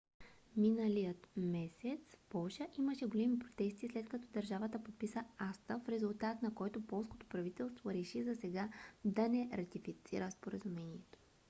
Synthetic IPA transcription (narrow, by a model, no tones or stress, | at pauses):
minəlijət̪mɛsɛt̪spɔlˠʃəʔiməʃɛɡolɛmipɾot̪ɛst̪islɛt̪kɐt̪ɔd̪ɐɾʒavət̪əpot̪̚pisəast̪əfɾɛzʊlˠt̪at̪nɐkɔjt̪opɔlˠsko̥t̪o̥pɾɐvit̪ɛlˠst̪voɾɛʃizɐsɛɡad̪ɐnɛɾɐt̪ifit̪sḭɾəspoɾəzumɛniɛt̪o̥